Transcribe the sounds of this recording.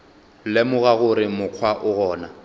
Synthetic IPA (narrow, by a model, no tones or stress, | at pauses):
lɛmʊɣaɣʊɾɪmʊq͡χʰwaʔʊɣɔːna